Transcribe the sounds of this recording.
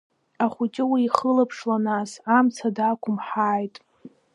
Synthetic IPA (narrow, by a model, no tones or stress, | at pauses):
aχʷʊt͡ʃʼɪwiːχəlapʰʂlanasamt͡sʰadakʷʰʼʊmħaːjtʼ